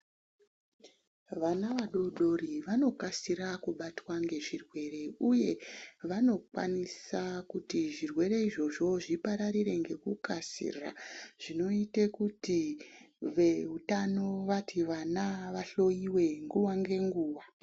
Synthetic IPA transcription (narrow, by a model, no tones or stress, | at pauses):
ʋanaʋaɗoɗo̞ɾiʋano̞kasiɾakuɓatwaŋɡe̞ʐirwe̞ɾe̞uje̞ʋano̞kwa̰nisakutiʐirwe̞ɾe̞iʐo̞ʐo̞ʐipaɾaɾiɾe̞ŋɡe̞kukasḭraʐ̥ino̞itekuti | ʋe̞ɦutano̞ʋatʰiʋanaʋaɬo̞jiwe̞ŋɡuwaŋɡe̞ŋɡuːwa